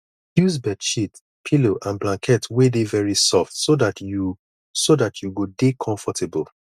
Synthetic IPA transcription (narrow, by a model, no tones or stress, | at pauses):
hjus̬bɛdʃit | pʰiloʔãnblãŋkʰɛtʰwedevɛɹisɔftsodatu | sodatʰjuɡodekʰɔ̃ɱfɔtʰebəl